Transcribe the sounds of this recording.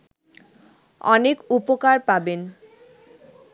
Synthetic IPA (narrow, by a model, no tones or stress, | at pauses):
ɔ̰nekupokaɾpaben